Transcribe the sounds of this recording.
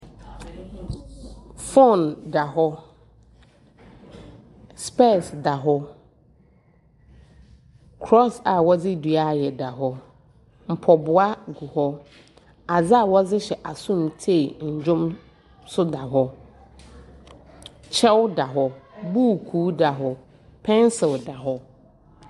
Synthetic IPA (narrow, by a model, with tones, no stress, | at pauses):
fɔ˦˨nda˨ɦɔ˦ | spɛ˦˨sda˨ɦɔ˦ | kʰɾɔ˦sa˨wɔ˦d͡zɪ˦dɥa˦˨jɛ˨da˨ɦɔ˦ | m̩˨pʰɔ˨bʊ˨a˦ɡu˨hɔ˦ | a˨d͡zɪ˦a˨wɔ˦d͡zɪ˦ɕɛ˨ʔa˨sʊ̃˦m˨tʰe˦˨ɲ̩˨d͡ʑʊ̃˦m | sʊ˦da˨ɦɔ˦ | t͡ɕʰɛ˦wda˨ɦɔ˦bu˦˨kʰuː˨˦da˨ɦɔ˦ | pʰɛ̃˦nsɪ˨lda˨ɦɔ˦